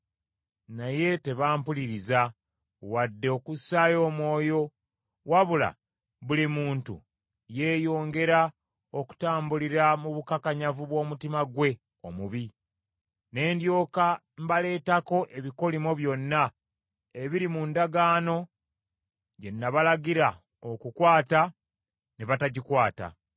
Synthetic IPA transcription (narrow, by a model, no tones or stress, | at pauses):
naje̞te̞βaːmpuliɾiza | wadːe̞okusːajo̞ːmwo̞ːjo̞ | waβula̰ | βulimuːntṵ | je̞ːjo̞ːŋɡe̞ɾa | o̞ku̥taːmbuliɾamuβukakaɲavuβwo̞ːmutimaɡwe̞ | omuβi | ne̞ːndjo̞ːka | mbale̞ːtako̞ʔeβiko̞limoβjo̞nːa | e̞βiɾimundaɡaːno̞ | ɟe̞nːaβalaɡiɾa | okukwaːta | neβataɟikwaːta̰